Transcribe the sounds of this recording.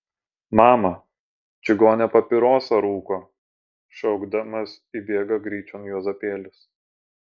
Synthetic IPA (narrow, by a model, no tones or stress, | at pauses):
mɑːmɐ | t͡ʃʲɪɡoːnʲɛpɐpʲɪɾoːsɐɾuːkoː | ʃʲɛʊɡd̪ɐmɐs | ibʲeːɡɐɡɾʲiːt͡ʃʲɔnjoːzɐpʲeːlʲʊs